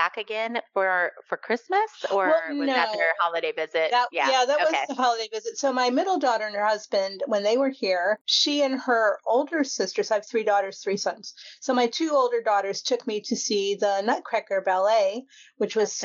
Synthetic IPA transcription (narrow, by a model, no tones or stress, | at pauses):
b̥ækɨɡɛ̃nfə˞fə˞kʰɹ̥ɪsmɨsəənoʊə˞hɑlˠəɾeɪvɪzɪtðæt̚jæjæðɨtwʌðəɦɑlˠəɾeɪvɪzɨtsoʊmaɪmɪɾl̩ˠdɔɾə˞ɨ̃nə˞hʌzbɨ̃ndwə̃nðeɪwə˞hiɹʃiɨ̃nə˞oʊlˠdə˞sɪstə˞z̥aɪv̥θɹidɔɾə˞z̥θɹisʌ̃nz̥soʊmaɪtʰʉoʊlˠdə˞dɔɾə˞z̥tʰʊkmiɾɨsiðənʌt̚kʰɹ̥ækə˞bɛlˠeɪ | wɨt͡ʃwʌz̥